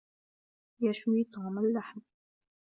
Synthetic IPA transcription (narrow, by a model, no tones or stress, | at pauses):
jaʃwiːt̪ɑːmalːaħm